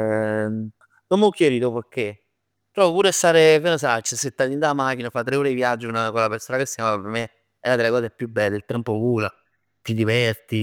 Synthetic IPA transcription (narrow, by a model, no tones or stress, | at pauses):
nomːeɔkːjeɾiːt̪opoɾkːe | pɾɔːvopuːɾeast̪aːɾekenos̬at͡ʃːeset̪ːalind̪aːmak̟inafat̪ːɾeoːɾeivjad͡ʒːunakolapersoːnakesːikamavapeɾme | ɛnad̪elːekɔːsepːjubɛlːeːelt̪ɛmpokuːla | t̪id̪ivɛrt̪i